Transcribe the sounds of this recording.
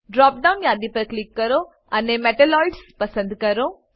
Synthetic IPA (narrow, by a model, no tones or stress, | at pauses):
ɖɾɔːp̚ɖaʊnjãːd̪ipɐɾklɪkːɐɾo | ɐnemɛːʈəlɔːiɖspɐsə̃nd̪kɐɾoː